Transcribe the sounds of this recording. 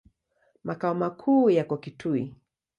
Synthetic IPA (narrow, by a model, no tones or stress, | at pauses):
makaɔmakʰuːjakɔkitʰui